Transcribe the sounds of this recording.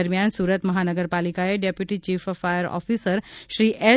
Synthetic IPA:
əɾmjansuːɾət̪məɦanəɡəɾpalikaeɖepjuʈit͡ɕiːfəfajəɾɔ̰fisəɾɕɾiːʔe

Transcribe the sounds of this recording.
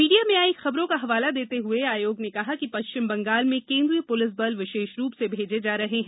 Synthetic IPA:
miːɖijamẽaːikxɐbɾõkaɦɐʋaːlad̪eːt̪eɦʊeaːjoːɡnekɐɦakipɐʃt͡ʃɪmbɐ̃ŋɡaːlmẽkẽːnd̪ɾijəpʊlɪs̬bɐlʋɪʃeːʃɾuːpsebʱeːd͡ʒed͡ʒaːɾɐɦeɦɛ̃

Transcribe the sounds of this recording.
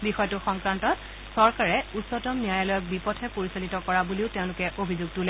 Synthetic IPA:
bixɔjɔtʊxɔŋkɹantɔt | sɔɹkaɹɛutsɔtɔmniajalɔjɔk̚bipɔtʰɛpoɹisalitɔkɔɹabuliʊteʊ̃lʊkɛʔobʱizuɡ̚tulɛ

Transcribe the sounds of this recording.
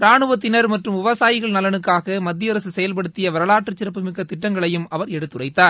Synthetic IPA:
ɾaːɳɯʋɐt̪ːɪnɐɾmɐʈrɯmʋɪʋɐsaːjɪɣɐɭnɐlɐnɯkːaːɣɐmɐd̪ːɪjɐɾɐsɯsɛjɐlp̬ɐɽɯt̪ːɪjɐʋɐɾɐlaːʈrɯt͡ʃːɪɾɐp̬ːɯmɪkːɐt̪ːɪʈːɐŋɡɐɭɐjɯmɐʋɐɾɛɽɯt̪ːɯrɐɪt̪ːaːɾ

